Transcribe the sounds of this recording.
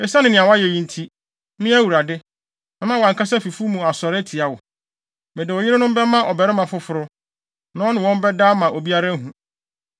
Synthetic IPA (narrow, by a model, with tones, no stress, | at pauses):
ɛ˨sa˦nɪ̃˨nɪ̃˨a˨wa˦jɛ˨jĩ˦n̩˦tʰi˦ | mɪ̃˦æ˦wu˨ɾa˨dɪ˦ | nã˨mã˦wã˨ŋ̩˨kʰa˦sɛ˦fi˨fu˦mũ˨a˨sɔ˨ɾɛ˦tʰi˨a˨wʊ˨ | mɛ̃˨dɪ˨ɔ˨jɪ˦ɾɪ˦nʊ̃˦m̩˦bɛ˦mã˦ʔɔ˨bɛ˨ɾɛ˦mã˨fʊ˦fʊ˨ɾʊ˦ | nã˦ɔ˦nɪ̃˨wɔ̃˦m˦bɛ˦da˦mã˨ʔo˨bi˦a˦ɾa˦ɦũ˨